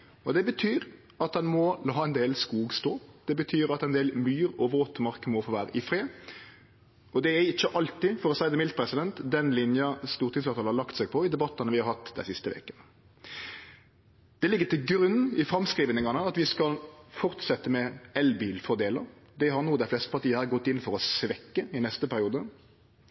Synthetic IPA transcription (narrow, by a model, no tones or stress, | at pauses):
ɔd̪ɛbət̪ʰyːɾ | ɑt̪̚d̪ɛnmɔlɑːɛnd̪eːlskuːɡst̪oːd̪̥ɛbət̪ʰyːɾɑt̪æɛnd̪eːlmyːɾɔʋəɾɔt̪ːəmɑɾkəmɔfoːʋæːɾəʔɪfɾe | ɔd̪ɛæɾɪçːəʔɑlt̪ɪfɔɾɔsæɪd̪əmɪlt̪̚pʰɾɛsɪd̪ɛnt̪d̪ɛnlɪnjɑst̪uːɾt̪ʰɪŋsɑt̪ʰɑlhɑɾlɑkt̪sɛɡ̚pʰɔɪd̪ɛbɑt̪ːɑnəʋɪhɑɾhɑt̪ːd̪æ̰ɪsɪst̪əʋḛːkən | d̪̥ɛlɪɡːət̪ɪlɡɾʉnːɪfɾɑmskɾiːʋənɪŋɑnəɑt̪ʋɪskɑlfɔɾt̪sɛt̪ːəmɛɛlbiːlfɔd̪eːləɾ | d̪ɛɦɑɾnuːd̪æɪflɛst̪əpʰɑɾt̪iːəhɑɾɡɔt̪ːɪnːfɔɾɔsʋɛkːəɪnɛst̪əpʰæɾɪuːd̪ə